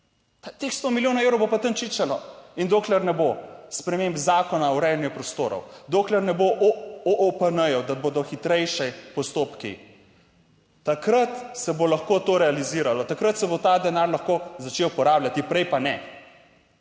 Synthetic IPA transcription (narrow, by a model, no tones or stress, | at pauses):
t̪at̪exst̪oːmiljoːnaewɾowbopat̪əmt͡ʃit͡ʃalɔind̪oːklɛɾnɛbospɾɛmeːmbzaːkɔnawɾɛjɛnjɛpɾɔst̪oːɾɔ̰wd̪oːklɛɾnɛboʔɔʔopənəjɔd̪aboːd̪ɔxit̪ɾɛjʃɛpɔst̪oːpkḭ | t̪akɾət̪sɛbolaxkoːt̪oɾɛaliziːɾalɔt̪akɾət̪sɛbot̪ad̪ɛnaːɾlaxkozat͡ʃewpɔɾaːblʲat̪ipɾɛjpanɛ